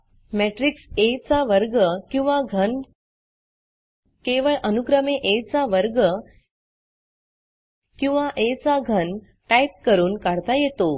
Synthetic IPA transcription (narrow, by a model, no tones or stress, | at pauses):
meʈɾikset͡saʋəɾɡəkĩw̃ʋaɡʱən | keʋəɭʔənuɡɾəmeʔet͡saʋəɾɡə | kĩw̃ʋaʔet͡saɡʱən | ʈajp̚kəɾuːnkaɽt̪ajet̪o